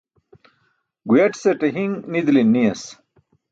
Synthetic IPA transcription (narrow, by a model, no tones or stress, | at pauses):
ɡujɐʈseʈeɦiŋnid̪linːijɐs